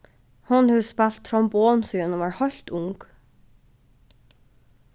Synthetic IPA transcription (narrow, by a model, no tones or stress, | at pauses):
hʊnhʉspɑlt̪ʰɹɔmboːnsyːənoːʋɑːɹhɔl̥t̪ʊŋk